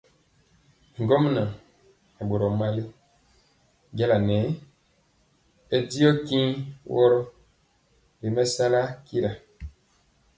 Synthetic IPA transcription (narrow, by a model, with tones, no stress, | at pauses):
ŋ˨ɡɔ˦mna˨ | ɛ˨ɓo˨ɾɔ˨ma˦li˦ | ɡɛ˦la˨nɛ˨˦ | ɛ˨di˦ɔ˦ki˦wɔ˦ɾɔ˦ | li˨mɛ˦sa˦la˦ki˦ɾa˨